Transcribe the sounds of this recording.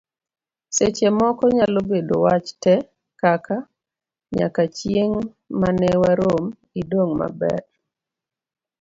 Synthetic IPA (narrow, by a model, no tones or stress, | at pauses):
set͡ʃemɔkɔɲalobedowat͡ʃtɛ | kaka | ɲa̰kat͡ʃjeŋ | manɛwaɾom | idoŋma̰bɛ̰r